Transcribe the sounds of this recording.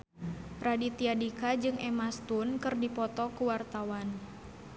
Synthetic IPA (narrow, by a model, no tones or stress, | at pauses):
pɾadit̪iadikad͡ʒɨŋʔɛmast̪unkɨrdipɔt̪ɔkuwart̪awan